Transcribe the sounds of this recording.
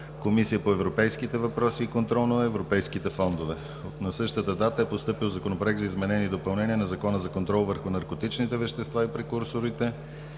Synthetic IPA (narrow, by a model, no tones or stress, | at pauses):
komisijəpoɛvɾopɛjskit̪ɛvɐpɾɔsiːkont̪ɾɔlˠnoɐɛvɾopɛjskit̪ɛfɔnd̪ovɛ | nɐsɤʃt̪ət̪əd̪at̪əɛpost̪ɤpilˠzɐkonopɾoɛk̪̚t̪zɐizmɛnɛniːd̪opɐlˠnɛniɛnɐzɐkɔnəzɐkont̪ɾɔlˠvəɾxʊnɐɾkot̪it͡ʃnit̪ɛvɛʃt̪ɛst̪vaipɾɛkuɾsoɾit̪ɛ